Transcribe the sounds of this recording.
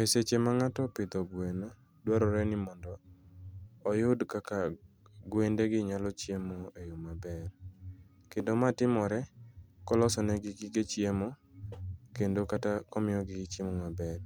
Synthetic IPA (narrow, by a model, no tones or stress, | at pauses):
eset͡ʃemaŋatɔpɪd̪ɔbweno | dwaɾɔɾɛnɪmɔndɔː | jʊdkakaɡwendeɡɪɲalɔt͡ʃjemoejomabɛr | kendomatɪmɔɾɛkɔlɔsɔnɛɡɪɡiɡet͡ʃjemo | kendokatakɔmɪjɔɡɪt͡ʃemomabɛr